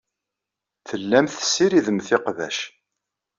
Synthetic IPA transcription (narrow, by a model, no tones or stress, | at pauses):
θəlːæmθə̥sːiɾiðəmθɪqðæ̰ʃ